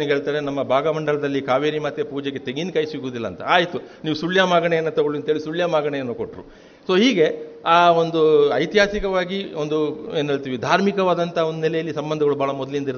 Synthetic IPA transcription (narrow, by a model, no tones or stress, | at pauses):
nɡɦe̞ːɭt̪aːɾenɐmːɐbʱaːɡɐmɐɳɖɐɭɐd̪ɐlːikaːʋeːɾimɐt̪epuːd͡ʒeɡe̞t̪eɡɡinkɐjsiɡuːd̪ilːɐːnt̪ɐ̰aːjit̪uniːʋusuɭjaːmaːɡɐɳejɐnːut̪ɐɡoɭuɐnt̪ɦeːɭisuɭjaːmaːɡɐɳejɐnːukoʈɾṵ | so̞ːɦiːɡe̞aːond̪uɐjt̪ɦaːsikɐʋaːɡiond̪ueːnːɦeːɭt̪iːʋid̪ʱaːɾmikɐʋaːd̪ɐnt̪ʰɐond̪unɛlɛjɐlːisɐmbɐnd̪ʱɐɡɐɭubʱaːɭɐmɔd̪ɐlind̪ɐiɾ